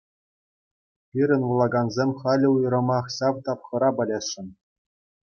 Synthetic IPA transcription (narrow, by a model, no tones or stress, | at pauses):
pʲiɾʲɘ̆nʋulˠɑɡɑnzʲemʲχɑlʲɘ̆ujɤ̆ɾɤ̆mɑχɕɑʋt̪ɑpχɤ̆ɾɑbɤ̆lʲeɕːɘ̆n